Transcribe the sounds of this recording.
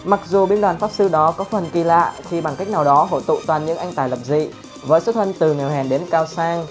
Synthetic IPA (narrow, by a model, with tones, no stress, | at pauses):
ma˨˩k̚zu˨˩ɓi˧nɗwaː˨˩nfaː˦˥p̚sɨ˧ɗɔ˨˦kɔ˨˦fə˨˩nki˨˩la̰ː˧˨xi˧ɓa˨˩ŋka˦˥k̚na˨˩wɗɔ˨˦ɦo̰˧˨jt̪ṵ˧˨t̪waː˨˩nɲɨ̰˧˥ŋʔa˧jŋt̪aː˨˩jlə˨˩p̚zḭ˧˨ | vəː˨˦jso˦˥t̪ʰə˧nt̪ɨ˨˩ŋɛ˨˩whɛ˨˩nɗe˨˦nkaː˧wsaː˧ŋ